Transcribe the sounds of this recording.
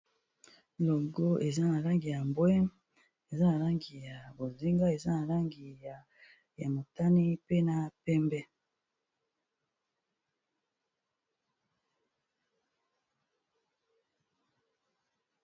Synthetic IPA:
lo˨ɡo˦ʔe˨za˦na˨la˦ŋɡi˨ja˨mbwɛ˦m | e˨za˦na˨la˦ŋɡi˨ja˨bo˨zi˦ŋɡa˦e˨za˦na˨la˦ŋɡi˨ja˨ | ja˨mo˨ta˦ni˦pe˦na˨pɛ˦mbɛ˦

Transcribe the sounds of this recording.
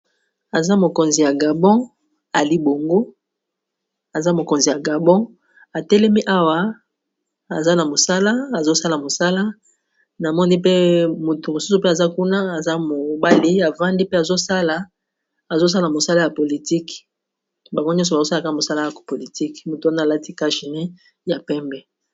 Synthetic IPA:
a˨za˦mo˨ko˨nzi˨ja˨ɡa˨bɔ̃˦ | a˨li˦bo˨ŋɡo˦ | a˨za˦mo˨ko˨nzi˨ja˨ɡa˨bɔ̃˦ | a˨tɛ˦lɛ˦mi˦ʔa˦wa˦ | a˨za˦na˨mo˨sa˦la˦a˨zo˦sa˦la˨mo˨sa˦la˦ | na˨mɔ˦ni˦pe˦mo˨to˨mo˨su˦su˨pe˦a˨za˦ku˦na˦a˨za˦mo˨ba˦li˦a˨va˦ndi˦pe˦a˨zo˦sa˦la˨ | a˨zo˦s̬a˦la˨mo˨sa˦la˦ja˨po˨li˨ti˦k | ba˨ŋɡo˦ɲɔ̃˦s̬ɔ˨ba˨zo˦sa˦a˦˨ka˦a˨mo˨sa˦la˦ja˨po˨li˨ti˦kmo˨to˨a˦na˦˨la˦ti˦ka˦ʃi˨ne˦ | ja˨pɛ˦mbɛ˨

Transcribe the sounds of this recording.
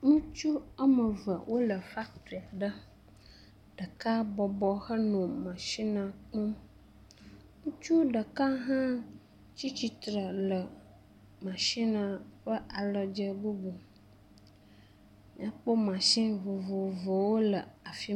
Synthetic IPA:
nũ˦t͡ʃu˦ə˦mə˨və̰˨wʔo˦lə˨fa˦k̚t̪u˨a˨ɖə˦ | ɖ̥ə˨ka˦bɔ˨bɔ˨xə˦nɔ̃˨mã˨ʃĩ˦nã˨k͡pɔ̃˦m | nũ˦t͡ʃu˦ɖə˨ka˦ɦã˦ | t͡ɕi˦t͡ɕi˨t̪ɾə˨lə˨ | mã˨ʃi˦nã˨ɸə˦ʔa˨lə˨d͡ʒə˦bo˦bo˨ | mĩ˨a˨k͡po˦mã˨sĩ˦vo˨vo˨və˨wo˦lə˨a˨fi˦

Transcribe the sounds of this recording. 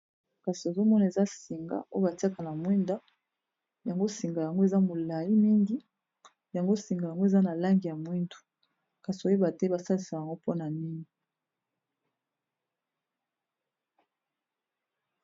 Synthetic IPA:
ka˨si˨e˨zo˦mɔ˦na˨e˨za˦si˨ŋɡa̰˦ʔo˦jo˦ba˨ti˦a˦ka˨na˨mwi˦nda˦ | ja˨ŋɡo˦si˨ŋɡa˨ja˨ŋɡo˦e˨za˦mo˨la˨li˦mi˦ŋɡi˦ | ja˨ŋɡo˦si˨ŋɡa˨ja˨ŋɡo˦e˨za˦na˨la˦ŋɡi˨ja˨mwi˦ndu̥˨ | ka˨si˨o˦e˦ba˨te˦ba˨sa˦li˨sa˨ja˨ŋɡo˦po˦na˨ni˦ŋi˨

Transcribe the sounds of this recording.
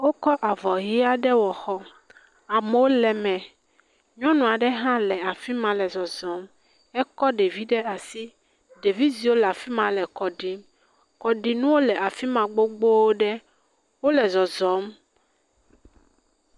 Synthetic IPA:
wo˦kɔ˦ʔa˨vɔ˨ɦi˦a˦ɖɛ˦wɔ˨xɔ˦ | a˨mɛ˨˦wo˦lɛ˨mɛ̃˨ | ɲɔ̃˦nũ˨a˨ɖɛ˦ɦã˦lɛ˨a˨fi˦mã˨lɛ˨zɔ˨zɔ˨˦m | ɛ˦kɔ˦ɖe˨vi˦ɖɛ˦a˨si˦ | ɖe˨vi˦zi˨wo˦lɛ˨a˨fi˦mã˨lɛ˨kɔ˨ɖi˨m | kɔ˨ɖi˨nũ˦wo˦lɛ˨a˨fi˦mã˨ɡ͡bo˦ɡ͡bo˦wo˦ɖɛ˦ | wo˦lɛ˨zɔ˨zɔ˨˦m

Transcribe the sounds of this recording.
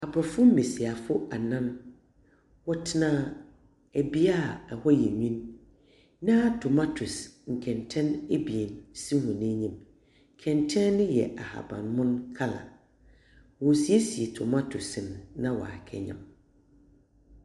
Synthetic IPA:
a˨bɾɔ˨fʊ˦m̩˦me˨si˨a˨fʊ˦a˨nã˦n | wɔ˦tʰɪ˦nãː˦ | æ˨bi˦a˦˨ɛ˨hɔ˦jɛ˨ɲĩ˦nː | ã˦a˦tʰʊ˨ma˦tʰʊ˨sŋ̩˨kʰɛ̃˨ntʰɛ̃˦ne˦bi˨e˨nsi˦hʊ̃˨nẽ˦ɲĩ˨m | kʰɛ̃˨ntʰɛ̃˦nɪ̃˦jɛ̰˨ʔa˨ha̰˨bã̰˨nmʊ̃˦nkʰa˦la̰˨ | wɔ˨si˨e˦si˨e˨tʰʊ˨ma˦tʰʊ˨snːã˦wɔ̰˨a̰˨kʰɛ̰˨ɲã̰˦m

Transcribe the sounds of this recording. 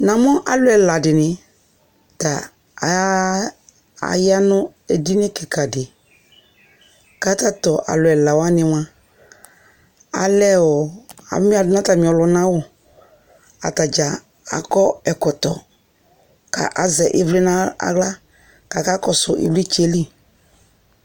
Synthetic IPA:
nã˨mɔ˦ʔa˦lʊ˨˦ɛ˨la˨dɪ˨nɪ̃˨ | ta˨ | a̰˨ja˦nʊ˦ | e˨di˦nɪ˦kɛ˨ka˨dɪ˨ | ka˦ta˦tɔ˨ʔa̰˨lʊ˨ɛ˨la˨wa˦nɪ˦w̃ã˦ | a̰˨lɛ˦wɔ˨a̰˨˦mi˦a˨ʊ˦nã˦ta˨mĩ˨ɔ˨lʊ˨nã˦wɔ˦ | a̰˨ta˨d͡ʒa˨ | a̰˨kɔ˦ɛ˨kɔ˨tɔ˨ | ka̰˨ʔa˨zɛ˨ʔɪ˦vlɪ˦na˦a̰˦ɡla˦ | ka˨ka˦kɔ˨sʊ˨ʔɪ̰˦vli˦t͡ʃe˦li˦

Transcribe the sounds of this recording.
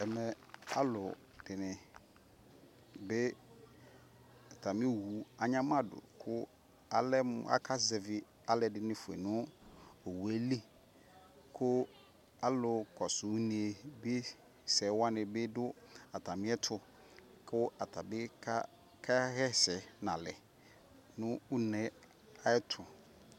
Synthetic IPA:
ɛ˨mɛ˨ | a̰˦lʊ˨ | d̥ɪ˨nɪ̃˨ | bɪ˦ | a˨tʰa˨mɪ̃˦ɛ˦hu˨a˨ɲã˦m˦ã˦dʊ̰˨kʰʊ˦ | a˨lɛ˦m˨a̰˦kʰa˦zɛ˨vɪ˨ | a˦lɛ˨dɪ˨nɪ̃˨fʊ˨ḛ˨nʊ̃˦o˨wu˨e˦li˦ | kʰʊ˦ | a˨lʊ˨kɔ˨sʊ˨˦nĩ˨e˨bɪ˦ | sɛ˨˦wa˦nɪ̃˨bɪ˦dʊ˦a˨tʰa˨mɪ̃˦ɛ˦tʰʊ˨ | kʰʊ˦a˨tʰa˨bɪ˦kʰa˦ | kʰa˦hɛ˦sɛ˨nã̰˨lɛ˨ | nʊ̃˦ʊ˦nɛ̃˨˦ | a˦ɛ˦tʰʊ˨

